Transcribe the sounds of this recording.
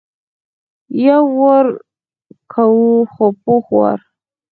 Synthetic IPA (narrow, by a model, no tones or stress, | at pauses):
jawəɾ | kʰawuxopoxwa̰ɾ